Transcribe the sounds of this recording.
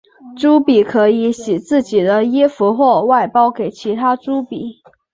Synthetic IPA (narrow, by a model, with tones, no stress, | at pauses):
ʈ͡ʂu˥pi˨˩˦kʰɤ˧˥i˧˥ɕi˨˩t͡sɹ̩˥˩t͡ɕi˨˩d̪ə˦jɛ˥fu˧˥xwɔ˥˩wa˥˩ɪpɑ˥ʊke˨˩ɪt͡ɕʰi˧˥t̪ʰa˥ʈ͡ʂu˥pi˨˩˦